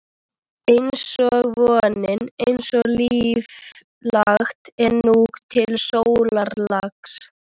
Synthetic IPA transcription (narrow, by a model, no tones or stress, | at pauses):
ejnsɔɣvɔːnɪnejnsɔɣliiːv | laxt̪ɛɾnuːɣt̪ʰɪlsoːwlaɾlaks